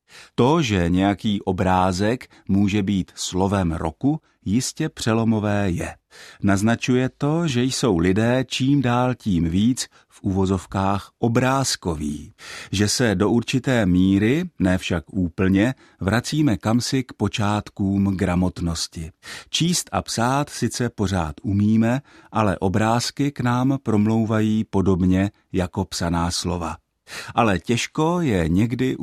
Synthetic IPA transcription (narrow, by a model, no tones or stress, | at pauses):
t̪o̞ʒɛɲɛjakiːʔo̞bɾaːzɛk | muːʒɛbiːt̪slo̞vɛmɾo̞̰ku | jɪscɛpr̝̥ɛlo̞mo̞vɛːjɛ̰ | naznat͡ʃujɛt̪o̞ʒɛjso̞wlɪdɛːt͡ʃiːmdaːlciːmviːt͡s | fʔuvo̞zo̞fkaːxʔo̞bɾaːsko̞vḭːʒɛsɛdo̞ʔuɾt͡ʃɪt̪ɛːmiːɾɪnɛːfʃakʔuːpl̩ɲɛ | vɾʔat͡siːmɛkamsɪkpo̞t͡ʃaːt̪kuːmɡɾamo̞t̪no̞scɪt͡ʃiːst̪ʔa̰psaːt̪sɪt͡sɛpo̞ɾ̝a̰ːt̪ʔumiːmɛʔalɛ̰ʔo̞bɾaːskɪknaːmpɾo̞mlo̞wvajiːpo̞do̞bɲɛ | jako̞psanaːslo̞va | ʔalɛcɛʃko̞jɛɲɛɡdɪ